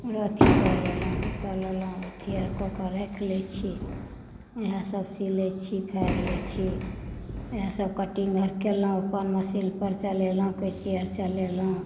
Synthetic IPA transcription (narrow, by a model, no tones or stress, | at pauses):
ɾət̪ʰikəlelə̃kəlelũt̪ʰiəɾkokəɾekʰlɛt͡ʃʰi | eɦãsəbsilɛt͡ʃʰipʰɛɾlɛt͡ʃʰi | eɦãsəb̚kəʈiŋɡʱəɾkelɦũəpənməsilpəɾt͡ʃəlelɦũkət͡ʃeəɾt͡ʃəlelɦũ